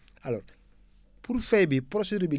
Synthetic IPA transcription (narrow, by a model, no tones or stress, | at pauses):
alɔ̰ːɾ | puɾfɛjbipɾosediɾbi